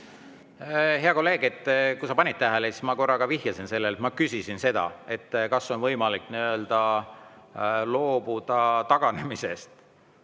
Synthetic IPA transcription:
ɦe̞ɑko̞lːe̞ːɡ̥e̞t̪ːkusɑpɑnʲit̪̚t̪æɦælesi̥smɑko̞rːɑɡ̥ɑvihjɑsinse̞lːelet̪mɑkysisinse̞d̪̥ɑ̰e̞t̪ːkɑsːo̞nvɤjmɑlikːniø̞ld̪̥ɑ | lo̞ːbud̪̥ɑt̪ɑɡ̥ɑne̞mise̞̰st̪

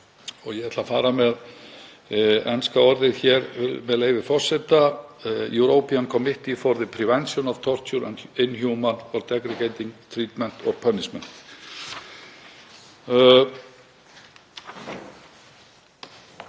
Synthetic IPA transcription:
ɔɣjɛɛt̪ʰlafaːɾamɛð | ɛ̰nskaɔɾðɪðçɛɾɪmɛðleːjvɪfɔr̥sɛt̪ajuwɾoːwpiankʰɔːmɪht̪ifɔɾðɪpʰɾivɛnsjɔnav̥t̪ʰɔr̥t̪juɾɛ̰nɪnːçjuːwmanɔɾt̪ɛkɾɪceːjt̪iŋkt̪ʰɾiːt̪mɛn̥t̪ɔɾpʰœnːɪsmɛn̥t̪

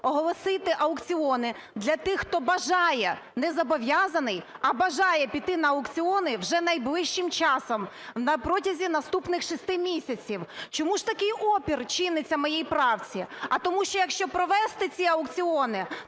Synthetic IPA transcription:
ɔɦɔlˠɔsɪt̪ɪʔɐʊkt͡sʲiɔnɪ | d̪lʲɐt̪ɪxːt̪ɔbɐʒɑjɛnɛzɐbɔʋʲjɑzɐnɪjɐbɐʒɑjɛpʲit̪ɪnɐːʊkt͡sʲiɔnɪwʒɛnɐjblˠɪʃt͡ʃɪmt͡ʃɑsɔm | wnɐpɾɔtʲɐzʲinɐst̪upnɪxʃist̪ɪmʲisʲɐt͡sʲiwt͡ʃɔmuʒt̪ɐkɪjɔpʲirt͡ʃɪnɪt͡sʲːɐmɔjejpɾɑwt͡sʲiɐt̪ɔmuʃt͡ʃɔjɐkʃt͡ʃɔpɾɔʋɛst̪ɪt͡sʲiɐʊkt͡sʲiɔnɪ

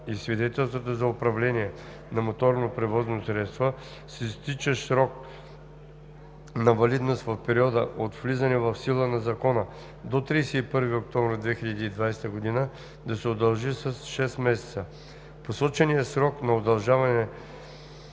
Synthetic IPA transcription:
isvid̪ɛt̪ɛlˠst̪vot̪ozɐopɾɐvlɛniɛ | nɐmot̪ɔɾnopɾɛvɔznosɾɛt̪st̪və | sist̪it͡ʃəsɾɔk̚ | nɐvɐlid̪nost̪vɐfpɛɾiɔd̪əʔot̪vlizɐnɛvɐfsilˠənɐzɐkɔnə | d̪ot̪ɾiːsɛipəɾvəɡəokt̪ɔmvɾʲəd̪vɛxiʎɐd̪iːd̪vajsɛ̥t̪əɡod̪inə | d̪ɐsɛod̪ɐlˠʒisəsʃɛst̪mɛsɛ̥t̪sə | posɔt͡ʃɛnijəsɾɔknɐod̪ɐlˠʒavɐnɛ

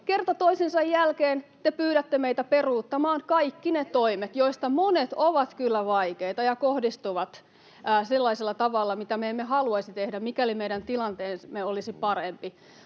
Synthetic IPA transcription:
kert̪ɑt̪oisinsɑjjælkeːnt̪epyːɾæt̪ːemeit̪æperuːt̪ːɑmɑːŋkɑikːinet̪oimet̪joist̪ɑmonet̪oʋɑt̪kylːæʋɑikeit̪ɑjɑkohdist̪uʋɑt̪ː | selːɑiselːɑt̪ɑʋɑlːɑmit̪æmeemːeɦɑluɑisit̪ehdæmmikælimeidænt̪ilɑnt̪eːnmeolisipɑrempi

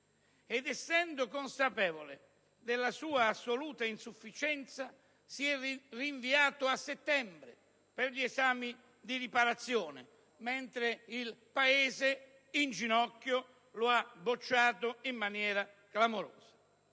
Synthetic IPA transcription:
ɛd̪ɛsːɛnd̪ʊkonsapɛːvolɪ̰ | d̪ɪlːasuːaːsːoluːt̪ainsufːit͡ʃɛnt̪sa | siɛriɱviaːt̪ʊasːet̪ːɛmbɾɪ̰ | pɪɾʎiɛzaːmi | d̪iɾipaɾat̪sːjɔːnɪ̰ | mɛnt̪ɾɪilpaeːzɪ | ind͡ʒinɔkːjʊ | lʊabːot͡ʃːaːt̪ʊimːanjɛːɾa | klamoɾo̰ːz̥ḁ

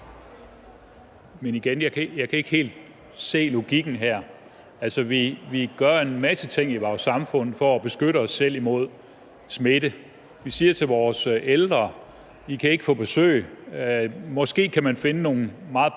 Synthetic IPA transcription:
meniɡ̥enjɑ̈ɪkʰjɑ̈ɪkʰæe̝ɡ̥he̝̰ːld̥̚ | se̝̰ːlo̝ɡ̥iɡ̥n̩ɦæɐ̰ | ælsɒʋiʋiɡ̥ɶɐe̝nmæsət͡sʰe̝ŋ̰iʋɒːsɑ̈mfɔ̽n̰ð̩ˠfɒːb̥e̝sɡ̥øɾ̥əɒ̽sːel̰imo̝ð̞̰ˠ | smed̥ə | ʋisiːɐt͡sʰe̝lʋɒːseld̥ʁɐ | ʋikʰæe̝ɡ̥fɔ̰̽ːb̥e̝sø̰ːɪ | mɒ̽sɡ̥e̝̰ːkʰæmænfe̝nəno̝ːn̩mɑ̈ːð̩ˠ

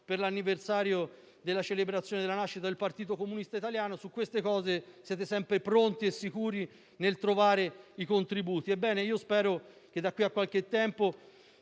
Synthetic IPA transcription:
perlanːiversaːɾjo | d̪elːat͡ʃelebɾat̪sjoned̪elanaʃːit̪ad̪elpart̪iːt̪okomunist̪ait̪aljaːnosukːwest̪ekɔːzesjɛːt̪esɛmpɾepɾont̪iesːikuːɾi | nelt̪ɾovaːɾeikont̪ɾibuːt̪iebːɛːneiːospɛːɾo | k̟ed̪ːakːwiakːwalk̟et̪ːɛmpo

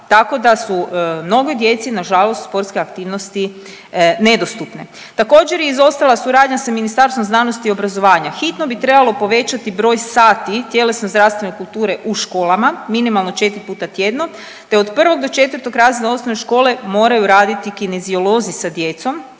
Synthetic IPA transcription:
t̪ako̞d̪asumno̞ɡod̪je̞t̪sinaʒalˠost̪spo̞ɾt̪skeakt̪iːʋnost̪i | ne̞d̪o̞st̪upne | t̪ako̞ːd͡ʒeɾjeizo̞st̪alasuɾaːd̪ɲasaminist̪aɾst̪omznaːno̞st̪iːo̞bɾazo̞ʋaːɲaxit̪no̞bit̪ɾebalˠo̞po̞ʋe̞t͡ɕat̪ibɾo̞ːjsaːt̪it̪je̞le̞snozd̪ɾaʋst̪ʋene̞kulˠt̪uːɾe̞ʔuʃkoːlˠamaminimalˠno̞t͡ʃe̞t̪ɾipuːt̪at̪jed̪no | t̪e̞o̞d̪pr̩ʋo̞ɡ̚d̪o̞t͡ʃe̞t̪ʋər̩ɾt̪o̞ɡɾaːzinaosnoneʃko̞ːle̞mo̞ːɾajuɾaːd̪it̪ikine̞zio̞lˠo̞zisad̪je̞t̪so̞m

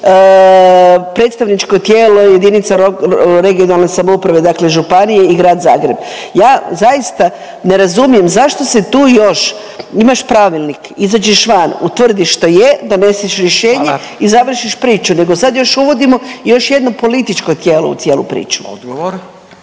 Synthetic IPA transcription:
pɾe̞t̪st̪aʋnit͡ʃkot̪jeːlo̞je̞d̪init̪saɾoɾe̞ɡio̞nalˠnesamoupɾaʋe̞d̪akle̞ʒupanijeiɡɾaːd̪za̰ːɡɾebjaːzajist̪a | ne̞ɾazumije̞mzaʃt̪o̞set̪uːjo̞ʃ | imaʃpɾaʋilˠnikizad͡ʑeʃʋanut̪ʋr̩d̪iʃt̪ojed̪one̞siʃɾjeʃe̞ːɲɲe | izaʋr̩ʃiʃpɾiːt͡ʃune̞ɡo̞sad̪jo̞ʃuʋo̞d̪imo̞jo̞ʃjed̪nopo̞lit̪it͡ʃko̞t̪jeːlo̞̰ṵt̪sjeːlˠṵpɾḭːt͡ʃu̥od̪ɡɾ

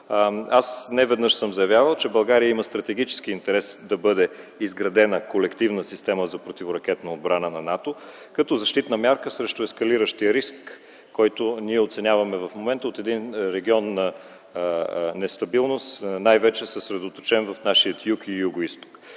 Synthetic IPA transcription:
asnɛvɛd̪nɤʃsɤmzɐjɐvʲjavəlˠt͡ʃɛbɐlˠɡaɾijəiməst̪ɾɐt̪ɛɡ̟it͡ʃɛ̥sk̟iːnt̪ɛɾɛsd̪ɐbɤd̪ɛizɡɾɐd̪ɛnəkolɛkt̪ivnəsist̪ɛməzɐpɾot̪ivoɾɐk̟ɛt̪nɐod̪bɾanənɐnat̪o | kɐt̪ɔzɐʃt̪it̪nəmʲjaɾkəsɾɛʃt̪oɛskɐliɾəʃt̪iəɾiskː | ɔjt̪ʊniɛot̪sɛnʲjavɐmɛvɐfmomɛnt̪əot̪ɛd̪inɾɛɡʲiɔnːɐ | nɛst̪ɐbilˠnost̪najvɛt͡ʃɛsɛsɾɛd̪ot̪o̥t͡ʃɛnvɐfnaʃiət̪jukijuɡoist̪o̥k

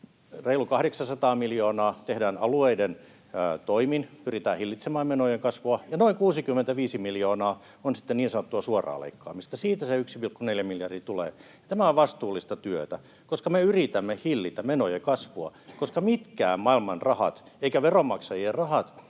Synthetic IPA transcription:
reilukɑhdeksɑnsɑt̪ɑːmiljoːnɑːt̪ehdæːnɑlueiden | t̪oiminpyrit̪æːhilːit̪semɑːmmenojeŋkɑsʋuɑjɑnoiŋkuːsikymːent̪æʋiːsimiljoːnɑː | onsi̥t̪ːeniːnsɑnot̪ːuɑsuorɑ̰ːlḛikːɑ̰ːmist̪ɑsiːt̪æseyksipilkːuneljæmiljɑrdit̪ulḛː | ɑt̪æmæoʋʋɑst̪uːlːist̪ɑt̪yøt̪æ | koskɑmeyrit̪æmːehilːit̪æmenojekɑsʋuɑkoskɑmit̪kæ̰ːmmɑilmɑnrɑhɑ̰t̪eikæʋeromɑksɑjierrɑhɑt̪

